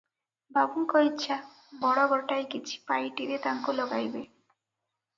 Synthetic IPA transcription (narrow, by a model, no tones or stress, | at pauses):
bʱabuŋkoitːɕʰa | bɔɽaɡɔʈajkit͡ɕʰi̥pajʈiɾet̪aŋkolɔɡajbe